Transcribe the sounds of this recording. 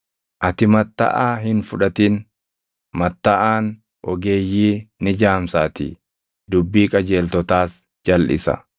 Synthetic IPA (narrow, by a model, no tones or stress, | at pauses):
ʔɐt̪ɪmɐt̪ːɐ̰ʔaːɦɪnfʊᶑɐt̪iːn | mɐt̪ːɐʔaːn | ʔɔ̰ɡe̞ːjːiːnɪd͡ʒaːmsaːt̪ɪ̰ | d̪ʊbːiːkʼɐd͡ʒe̞ːlt̪ɔt̪aːs | d͡ʒɐlʔɪ̰sɐ̰